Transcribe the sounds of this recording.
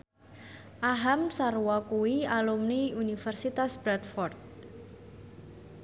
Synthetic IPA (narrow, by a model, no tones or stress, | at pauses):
ʔaɦamsarwɔkuwialumniunifɛrsit̪asb̥ɾat̪̚fɔrt̪̚